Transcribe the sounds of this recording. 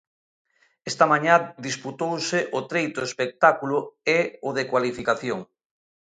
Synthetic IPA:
est̪amãɲad̪isput̪owseʔʊt̪ɾejt̪ʊespek̚t̪akulʊeʊðekwalifikaθjoŋ

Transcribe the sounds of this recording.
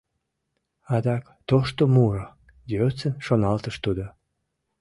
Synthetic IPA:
ɑd̪ɑk | t̪oʃt̪omuro | j̪øt͡sənʃonɑlt̪əʃt̪ud̪o

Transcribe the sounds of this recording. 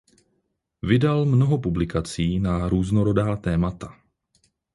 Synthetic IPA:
vɪdalmno̞ɦo̞publɪkat͡siːnaɾuːzno̞ɾo̞daːt̪ɛːmat̪ḁ

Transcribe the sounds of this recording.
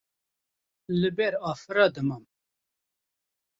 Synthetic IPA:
lɨbɛɾɑːfɨɾɑːd̪ɨmɑm

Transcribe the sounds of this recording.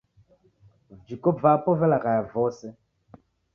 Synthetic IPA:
d͡ʒikopvapɔvɛlaɣajavɔsɛ

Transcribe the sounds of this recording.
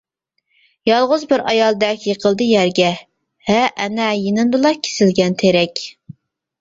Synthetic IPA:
jɑlˠʁʊzbɪɾɑjɑlˠd̪ɛkʲʰjeqʰəlˠd̪ɨjæɾɡʲɛ | hɛʔːnɛjenɪmd̪ɨlˠɑkʲʰe̥sɪlɡʲɛnt̪ʰeɾɛkʲ

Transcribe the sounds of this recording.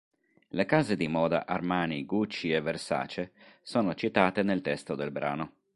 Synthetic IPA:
lekaːzed̪imɔːd̪a̰ʔarmaːniɡut͡ʃːievːersa̰ːt͡ʃesoːnot͡ʃit̪aːt̪enelt̪ɛst̪od̪elbɾa̰ːno

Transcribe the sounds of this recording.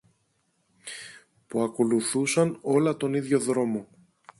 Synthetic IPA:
puɐko̞luθusɐno̞lɐt̪o̞niðʝo̞ðɾo̞mo̞

